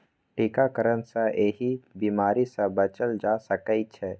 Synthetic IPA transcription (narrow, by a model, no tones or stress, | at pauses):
ʈʰikakəɾənsaʔeɦibiːmaːɾisɐbət͡ʃəld͡ʒaːsəkəit͡ʃʰɛː